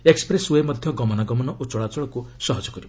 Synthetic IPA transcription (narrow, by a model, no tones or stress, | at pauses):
ekspɾeswemɔd̪ʱjɔɡɔmɔnaɡɔmɔnɔʔut͡ʃɔɭat͡ʃɔɭɔkusɔɦɔd͡ʒɔkɔɾibɔ